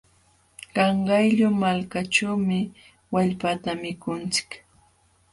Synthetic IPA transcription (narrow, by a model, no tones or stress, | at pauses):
kɑɴɢɑjʎʊmalkaʈ͡ʂawmɪ | waʎpat̪amɪkʊnt͡sɪ̥k